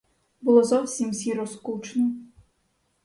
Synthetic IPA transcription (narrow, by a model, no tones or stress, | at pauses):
bulˠɔzɔwsʲimsʲiɾɔskut͡ʃnɔ